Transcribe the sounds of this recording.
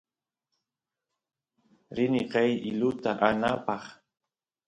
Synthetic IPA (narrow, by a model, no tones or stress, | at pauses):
ɾɪnɪqɑjɪlʊt̪aʔanapɑχ